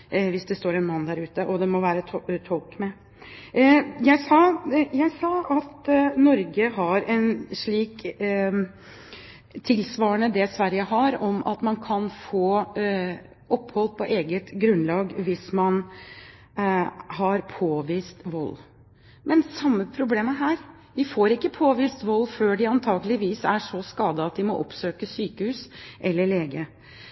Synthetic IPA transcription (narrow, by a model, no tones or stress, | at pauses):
ʋɪsd̪ɛst̪oːɾɛnmɑnd̪æɾʉːt̪əʔɔd̪ɛmɔʋæːɾət̪ʰt̪ʰɔlkmɛ | jæɪsɑːjæɪsɑːɑt̪nɔɾɡəɦɑɾɛnʂɭiːk | t̪ʰɪlsʋɑːəɳəd̪ɛsʋæɾjəɦɑɾɔmʔɑ̰t̪mɑnkʰɑnfoː | ʔɔphɔlpʰɔʔeːɡət̪ɡɾʉnlɑːɡʋɪsmɑn | hɑɾpʰoːʋiːst̪ʋɔlː | mɛnsɑmːəpʰɾʊbleːməɦæːɾ | ʋɪfoːɾɪkːəpʰoːʋiːst̪ʋɔlːføːɖɪɑnt̪ʰɑːɡəlɪʋiːsæʂɔskɑːd̪əɑt̪d̪ɪmɔʔɔ̰psøːkəsyːkəhʉːsʔɛlːəɭeːɡə